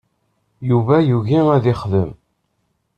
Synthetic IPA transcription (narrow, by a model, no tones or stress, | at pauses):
juvæjuʝiæðɪχðə̰m